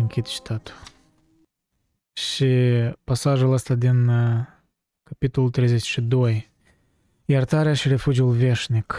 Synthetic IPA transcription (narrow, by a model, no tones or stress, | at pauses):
ɨŋkʲit̪t͡ʃi̥t̪ʰat̪u̥ | ʃipasaʒuləst̪ad̪in | kapit̪o̞lult̪ɾejzet͡ʃʲʃid̪o̞j | jert̪aɾeaʃire̞fud͡ʒiulve̞ʃnik